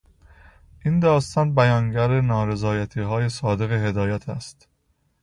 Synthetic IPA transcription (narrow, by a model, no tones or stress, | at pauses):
ʔind̪ɒːst̪ɒːnbæjɒːnɟæɾenɒːɾe̞zɒːjæt̪ʰiːɦɒːje̞sɒːd̪e̞ɣe̞ɦe̞d̪ɒːjæt̪ʰæ̰st̪